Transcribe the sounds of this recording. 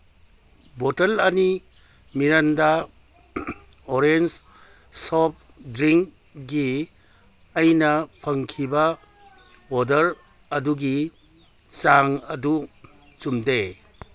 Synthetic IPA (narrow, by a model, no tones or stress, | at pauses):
bɔtɐlɐni | miɾanda | oɾens | sɔp̚ | dɾiŋk | ɡiː | jnɐpʰɐŋkʰibɐ | odɐɾ | ɐduɡi | t͡ʃaŋɐdu | t͡ʃumde